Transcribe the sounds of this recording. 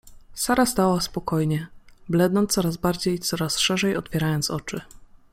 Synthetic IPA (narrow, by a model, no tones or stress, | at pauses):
saɾast̪awaspɔkɔjɲɛblɛnd̪nɔnt̪sɔɾazbaɾd͡ʑejt̪sɔɾasʂɛʐɛjɔt̪fʲjɛɾajɔnt̪sɔt͡ʂɘ